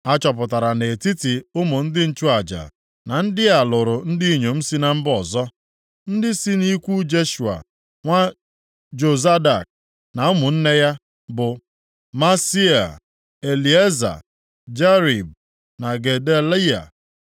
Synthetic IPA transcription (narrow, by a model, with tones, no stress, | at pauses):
a˦t͡ʃɔ˨p̬ʊ˨ta˨ɾa˨ne˨ti˦ti˨ʊ˦mʊ˨n̩˦dɪ˦n̩˦t͡ʃu˦a˨d͡ʒa̰˨ | na˨n̩˦dɪ˦a˨lʊ˨ɾʊ˨n̩˦di˦ɲo˨m̩˦si˦na˦m̩˦bɔ˨zɔ˦ | n̩˦dɪ˦si˦ni˦kʷu˦d͡ʒe˦ʃu˨a̰˨ | ŋʷa˦ | d͡ʒo˨za˦da˨k̚ | na˨˦ʊ˦mʊ˨n̩˦ne˦ja˦ | bʊ˨ | ma˦si˦a̰˨ | e˨li˨e˦za̰˨ | d͡ʒe˦ɾi˨b̚ | na˨ɡe˨de˦la˦a̰˨